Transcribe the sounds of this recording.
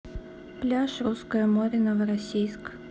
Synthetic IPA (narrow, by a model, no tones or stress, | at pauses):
plʲaʃɾuskɔjɐmɔɾʲɪnɐʋɾɐsʲijsk